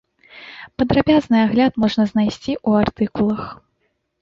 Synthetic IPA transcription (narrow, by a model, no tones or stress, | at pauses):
pɐd̪ɾabʲaznɨaɣlʲat̪mɔʐnɐznajsʲt͡sʲiʔuart̪ɨkulˠɐx